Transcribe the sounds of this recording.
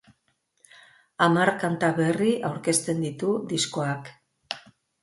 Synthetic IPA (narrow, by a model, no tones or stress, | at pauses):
amarkant̪aβe̞riʔawɾke̞st̪e̞nd̪it̪ud̪isko̞ak